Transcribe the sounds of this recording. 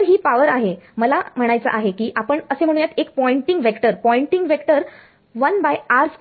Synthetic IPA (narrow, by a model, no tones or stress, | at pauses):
ɾɦiːpaʋəɾaɦeməlam̤əɽ̃ajt͡sə̰ʔaɦekiːʔapəɳəsem̤əɽ̃unjat̪ʰekpɔiɳʈiŋɡʋekʈəɾpɔiɳʈiŋɡʋekʈəɾ | ʋənbajaɾf